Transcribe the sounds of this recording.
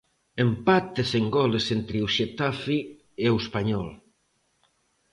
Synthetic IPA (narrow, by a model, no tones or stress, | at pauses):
empat̪eseŋɡɔlesent̪ɾɪuʃet̪afi | euespaɲɔl